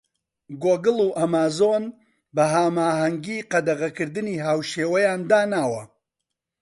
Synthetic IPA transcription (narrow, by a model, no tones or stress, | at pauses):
ɡoːɡɨlˠuːʔɐmaːzon | bɐɦaːmaːɦɐŋɡiːqɐd̪ɐɣɐkɨɾd̪ɨniːɦaːwʃeːwɐjaːnd̪aːnaːwɐ